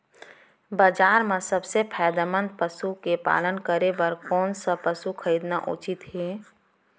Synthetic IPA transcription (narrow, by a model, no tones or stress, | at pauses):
bəd͡ʒaːɾmẽsəbsepʰaːd̪amə̃nd̪̚pəsukepa̰ːlənkəɾebəɾkɔːnsəpəsukʰəɾiːd̪naʔṵt͡ʃɪt̪ɦeː